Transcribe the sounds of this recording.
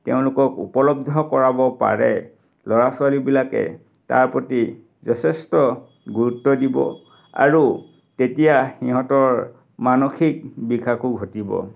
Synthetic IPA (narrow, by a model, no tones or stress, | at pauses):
teʊ̃lʊkɔkṵpɔlɔb̚dʱɔkɔɹabɔpa̰ɹɛ̰ | lɔɹaswalibilakɛ̰ | ta̰ɹpoti | zɔtʰɛstɔ | ɡuɹutːɔdibɔ̰ | a̰ɹu | tetijaxiɦɔtɔɹ | manoxʰik̚bikʰakuɡʱotibɔ̰